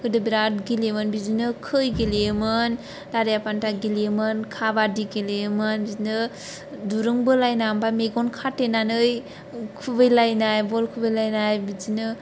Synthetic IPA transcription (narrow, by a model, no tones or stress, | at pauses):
kʰɯdɯbiɾatɡilemɯnbid͡ʒinɯkʰɯjɡeliemɯn | daɾejapantaɡilijemɯnkʰabadiɡeleemɯnbizinɯ | duɾɯŋbɯlajnambameɡɔnkʰatenanɯj | kʰubɯjlajnajbɔlkʰubɯjlajnajbid͡ʒinɯ